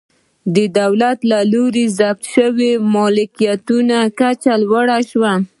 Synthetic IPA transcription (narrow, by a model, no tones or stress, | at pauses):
d̪əd̪awlat̪laloɾezap̚t̪ʃəwemɔlɪkijat̪unakat͡ʃalwaɽaʃwa